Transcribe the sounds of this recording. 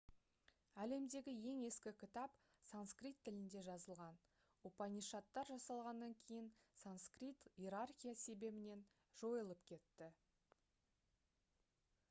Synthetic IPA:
æle̞md̪e̞ɡʲɪje̞ŋe̞skʲɪkʲʰɪt̪ɑp | sanskrijt̪ʰːɪlɪnd̪e̞ʒɑzəlˠʁɑn | upɑniʃɑt̪ːɑɾʒɑsɑlˠʁɑnːɑŋkʲʰe̞jɪnsanskrit̪jeɾarxʲijase̞be̞bɪne̞n | ʒ̥o̞jəlˠəpkʲʰe̞t̪ːɪ

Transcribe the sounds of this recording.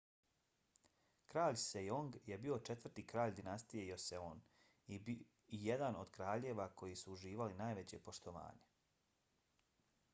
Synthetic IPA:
kɾaːʎsejoŋɡje̞bio̞t͡ʃe̞t̪ʋr̩t̪iːkɾaːʎd̪inast̪ije̞jo̞seoːn | ijed̪anod̪̥kɾaːʎeːʋakʰo̞jisuːʒiːʋalinaːjʋe̞t͡ɕe̞po̞ʃt̪o̞ʋa̰ːɲe̞

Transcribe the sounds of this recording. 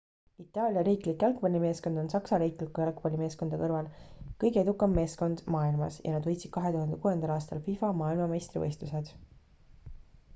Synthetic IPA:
it̪ːˑɑːlʲjɑɾiːklikːjɑlkpɑlʲime̞ːsko̞nd̪̥o̞nsɑksɑɾiːklikːujɑlkpɑlʲime̞ːsko̞nd̪̥ɑkɤrvɑlkɤjɡee̞d̪̥ukːˑɑmːe̞ːsko̞nd̪̥mɑːilmɑ̰sjɑ̰nɑd̪vɤjt̪sid̪̥kɑɦe̞t̪uhɑnd̪e̞kuːe̞nd̪ɑlɑːst̪ɑlfifɑmɑːilmɑmejst̪rivɤ̰jst̪use̞d̪̥

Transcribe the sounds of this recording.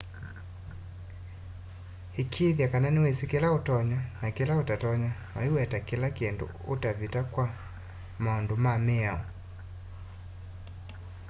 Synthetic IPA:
ekʰiðjakananiwesikelaotɔɲanakilaotatɔɲamaiwɛtakilakiɛndo̰ | otavitakwa | maɔndomamɛao̰

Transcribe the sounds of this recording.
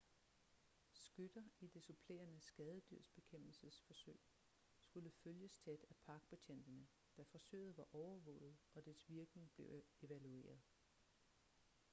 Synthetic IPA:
sɡ̥ød̥ɐid̥e̝supʰle̝̰ːɐnəsɡ̥ɛðˠəd̥yɐ̰sb̥e̝kʰem̰b̥l̩səsfɒ̽søɪ̰ | sɡ̥uləføljəst͡sʰed̥æpʰɑ̈ɡ̥̚b̥et͡ɕʰen̰d̥ɐnə | d̥æfɒ̽sø̰ːɪð̞̩ˠʋɑ̈ʔɒʊɐʋɔ̰ːʊð̩ˠɒ̽d̥æsʋiɐɡ̥ne̝ŋb̥le̝ʊe̝ʋælue̝̰ːɐð̞ˠ

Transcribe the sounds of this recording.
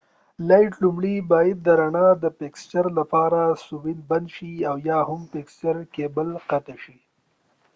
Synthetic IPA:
lajʈlumɽibɑjad̪̚ːəɾaɳɑd̪əpekst͡ʃaɾlapɑɾasuwilband̪ʃiawjɑhʊmpekst͡ʃaɾkebəlqat̪aʃi

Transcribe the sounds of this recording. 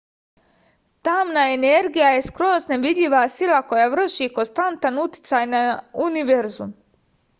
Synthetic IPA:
t̪amnaene̞ɾɡijaje̞skɾo̞ːzneʋid̪ʎʲiʋasilˠako̞jaʋr̩ʃiːkonst̪ant̪anut̪i̥t̪saːjnauniʋe̞ɾzum

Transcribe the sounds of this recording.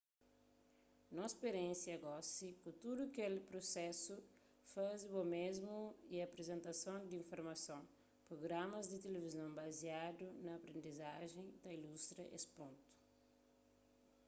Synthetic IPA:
nõspeɾẽsiɐɡɔsikut̪ud̪ukelɪpɾosɛsu | fazɪbomezmuiɐpɾezẽnt̪ɐsõw̃d̪ĩfoɾmɐsõw̃ | pɾoɡɾamɐzd̪ɪt̪elevizɐ̃w̃baziad̪unɐːpɾẽnd̪izaʒẽj̃d̪ɐilust̪ɾɐʔḛspõnt̪u̥

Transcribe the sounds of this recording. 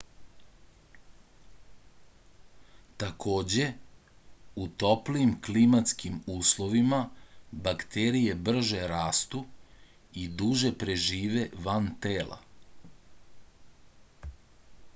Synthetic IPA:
t̪akʰo̞ːd͡ʑe̞ | ut̪o̞pliimklimat̪skimuːslˠo̞ʋimabakt̪eɾije̞br̩ʒe̞ɾaːst̪u | id̪uʒe̞pɾe̞ʒiːʋe̞ʋant̪eːla̰

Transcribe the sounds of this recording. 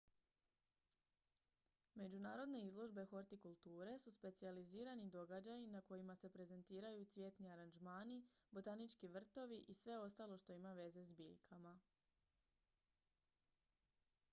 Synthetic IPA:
me̞d͡ʒunaːɾo̞d̪ne̞izlˠo̞ʒbe̞xo̞ɾt̪ikulˠt̪uːɾe̞suspe̞t̪sializiːɾanid̪o̞ɡad͡ʑajinako̞jimase̞pɾe̞ze̞nt̪iːɾajut̪sʋʲje̞t̪niaɾand͡ʒmaːnibo̞t̪anit͡ʃkiʋr̩t̪o̞ʋiʔisʋe̞o̞st̪alo̞ʃt̪o̞imaʋe̞ze̞zbḭːʎkʰama

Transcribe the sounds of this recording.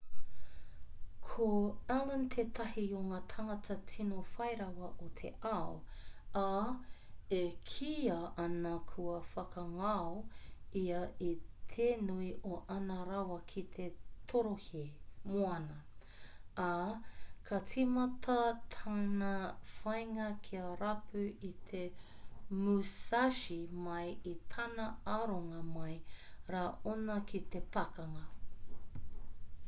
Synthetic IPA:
kʰoalənt̪ʰeːt̪ɐɦiuŋɐt̪ʰɐŋɐtʰɐt͡sʰinofɐjɾɐwɐʔot̪ʰḛʔaoa | ekʰiɐɐnɐkʰuɐfɐkɐŋaoiɐit̪ʰeːnuiʔoʔɐnɐɾɐwɐkʰit̪ʰet̪ʰoɾohimoɐnɐ | a | kʰɐt͡simɐt̪ʰɐt̪ʰanɐfɐjŋɐkʰiɐɾapʰʉit̪ʰe | musaʃimɐjit̪ʰanɐaɾoŋɐmɐjɾaːʔonɐkʰit̪e̞pɐkɐŋɐ

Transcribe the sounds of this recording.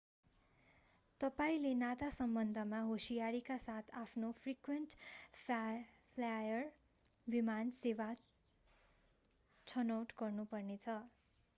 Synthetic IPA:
t̪ʌpaĩlenat̪asʌmbʌnd̪ʱʌmaɦosijaɾikasat̪ʰapʰnopʰrikwenʈ | pʰlajʌr | bimansewa | t͡sʰʌnʌwʈɡʌrnupʌrnet͡sʰʌ

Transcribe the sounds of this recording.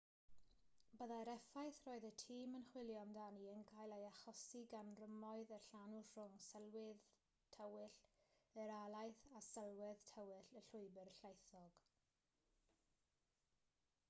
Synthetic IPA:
bəðaɾɛfajθroːɨðətʰiːmənχwɪlˠjɔndaniənɡʰaːjlˠejaχɔsiɡanrəmɔɨðərɬanurʊŋsəlˠwɪð | tʰəwɪɬəɾalˠajθasəlˠwɪðtʰəwɪɬəɬʊɨbərɬejθɔɡ̥

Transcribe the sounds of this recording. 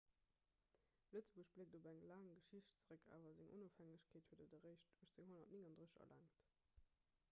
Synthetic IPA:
lət͡səbuəɕb̥lek̚dobæŋlaːŋɡəʃiɕtt͡səʁəkʰa̰ːvɐzɪŋʔo̰nofhæŋəɕkʰeːthuədodɐʁəɪʃtːəʃt͡seŋɦonɐtniŋɑndʁəɐ̰lʔa̰ŋt

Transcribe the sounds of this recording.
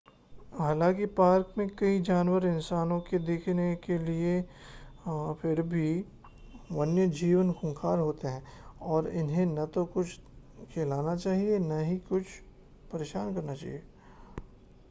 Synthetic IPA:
ɦaːlãːkipaːɾkmẽkɐid͡ʒaːnwəɾɪ̃nsaːnõked̪eːkʰnekelie | pʰɪɾbʱi | ʋɐnjəd͡ʒiːʋənxʊ̃ŋkʰaːɾɦoːt̪eɦɛ̃ːɔːɾɪ̰nɦẽnɐt̪okʊt͡ʃʰ | kʰeːlaːnat͡ʃaːɦienɐɦikʊt͡ʃʰ | pɐɾeːʃaːnkɐɾnat͡ʃa̰ːɦieː

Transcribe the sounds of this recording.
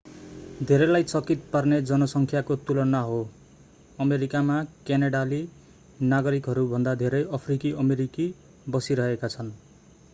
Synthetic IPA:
d̪ʱeɾʌlajt͡sʌkit̪̚parned͡zʌnʌsʌŋkʰjakot̪ulʌnːaɦo | ʌmeɾikamakjanaɽali | naɡʌɾikɦʌɾubʱʌnd̪ad̪ʱeɾʌjʌpʰrikiʔʌmeɾiki | bʌsiɾʌɦekat͡sʰʌn

